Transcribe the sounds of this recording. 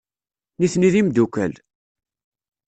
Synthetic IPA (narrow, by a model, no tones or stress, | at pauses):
niθniðimd̪ukæ̰l